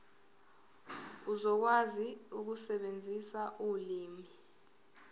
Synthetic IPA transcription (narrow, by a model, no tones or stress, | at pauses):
uzɔk̬waziuk̬usɛɓend͡zʱisaʔuliːmi